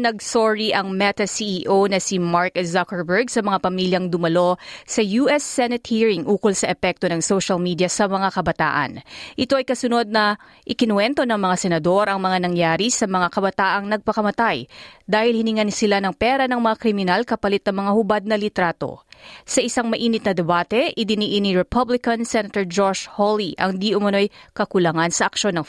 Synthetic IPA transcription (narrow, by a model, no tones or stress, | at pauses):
nɐɡ̚soɹiʔɐŋmɛt̪ɐsiʔiːʔonɐsimaɹkzakɛɹbɛɹɡsɐmɐŋapɐmiljɐŋd̪ʊmɐlo̞sɐjuʔɛsːɛnɛt̪̚hiːɹɪŋʔuːkolsɐʔɛpɛk̚t̪o̞nɐŋsoʃɐlmiːd̪jɐsɐmɐŋakɐbɐt̪a̰ːʔɐ̰nʔɪt̪o̞ʔɐjkɐsʊno̞d̪̚nɐ | ʔɪkɪnwɛnt̪o̞nɐŋmɐŋasɛnɐd̪o̞ɾʔɐŋmɐŋanɐŋjaːɾisɐmɐŋakɐbɐt̪aːʔɐŋnɐɡ̚pɐkɐmɐt̪ajd̪aːhɪlhɪnɪŋɐnsɪlanɐŋpɛɾɐnɐŋmɐŋakɾɪmɪnalkɐpɐlɪt̪̚ːɐŋmɐŋahʊbad̪̚nɐlɪt̪ɾaːt̪o̞̰sɐʔɪsaŋmɐʔiːnɪt̪nɐd̪ɛbaːt̪ɛʔɪd̪ɪniʔiniɹɛpʰɐblɪkɐnsɛnɐt̪ɛɹd͡ʒoʃholiʔɐ̰ŋd̪iʔʊmɐno̞jkɐkʊlɐŋansɐʔɐkʃo̞nːɐŋ